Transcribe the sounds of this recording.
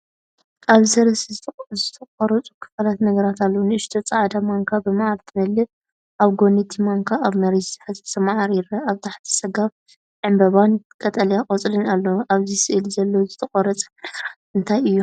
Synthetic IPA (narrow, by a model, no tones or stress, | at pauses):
ʔaβsɐɾɐszɨt̪ʰɐkʼɔɾɐt͡sʼukʰɨ̥fɐlat̪nɐɡɐɾat̪ʰalːonɨʔɨʃt̪ʰot͡sʼaʕd̪amaŋkʰabɨmaʕalt̪ʰɨmɐlːɨ | ʔaβɡo̞nɐt̪ʰimaŋkʰaʔaβmɐɾisħɨzsʰɐmaʕaɾiɾɐaβt̪ʰaħt̪ʰi̥sɐɡaβ | ʕɨmbɐβankʼɐt̪ʼɐlijaqʼot͡sʼlɨnalːɐwʔaβzisɨʔɨlzɐlːozɨt̪ʰɐqʼɔɾɐt͡sʼʔɨnt̪ʰajɨjːu